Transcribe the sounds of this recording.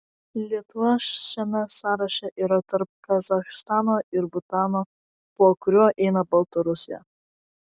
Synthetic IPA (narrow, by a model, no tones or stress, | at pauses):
lʲiɛt̪ʊʋɐʃʲɛmʲɛsɑːɾɐʃʲɛʔiːɾɐt̪ɐɾp̚kɐzɐxst̪ɑːnoːʔɪɾbʊt̪ɑːnoː | puɔkʊɾʲuːʔɛɪnɐbɐlˠt̪oɾʊsʲɪjɛ̰